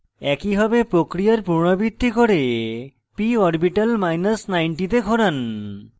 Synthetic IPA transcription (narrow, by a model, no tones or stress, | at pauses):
ɛkibʱabepɾokɾijaɾpuɾɳ̃obit̪ːikoɾe | piɔɾbiʈalmajnasnajɳʈit̪̬eɡʱoɾan